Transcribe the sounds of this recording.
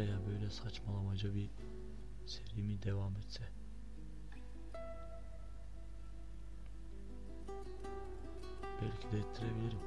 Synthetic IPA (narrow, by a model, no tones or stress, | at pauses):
jabøjlʲɛsat͡ʃmalˠamad͡ʒɯbi | seɾimid̪evamet̪sɛ | b̥ɛlʲcʰid̪ɛjet̪ʰːiɾebilʲiɾim